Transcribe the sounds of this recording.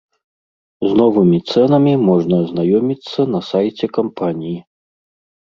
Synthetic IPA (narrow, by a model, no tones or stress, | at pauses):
znɔvɨmʲit̪sɛnɐmʲimɔʐnɐznajɔmʲit̪sːɐnɐsajt͡sʲɛkampʰanʲiji